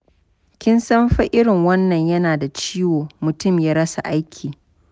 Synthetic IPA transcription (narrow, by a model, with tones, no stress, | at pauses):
kʲɪ˦nsɐ˦mɸɐ˦ʔɪ˦ɽɪ˨ŋwɐ˦nːɐ˨ɲjɐ˦naː˨da˨t͡ʃiː˦woː˨mʊ˨tʊ˦˨mjaː˦ɽɐ˦sa̰˨ʔa˦jkʲʰiː˨